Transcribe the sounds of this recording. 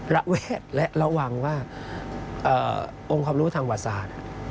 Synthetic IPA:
ɾa˦˥ʔweː˥˩t̪̚lɛ˦˥ʔɾa˧waː˨˩ŋwaː˥˩ | ʔɤː˨˩ | ʔo˧ŋkʰaː˧mɾuː˦˥t̪ʰa˧ŋwaː˨˩saː˧˩na˩

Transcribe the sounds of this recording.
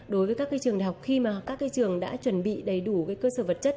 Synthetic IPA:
ɗo˨˦jvəː˨˦kaː˦˥kːa˧t͡ɕɨ˨˩əŋɗaː˨˩ha˨˩k͡p̚xi˧maː˨˩kaː˦˥k̚ːa˧jt͡ɕɨ˨˩əŋɗa̰ː˧˥t͡ɕwə˧˩nɓḭ˧˨ɗə˨˩jɗu˧˩kaː˨˦jkəː˧səː˧˩və˨˩t̚t͡ɕə˦˥t̚

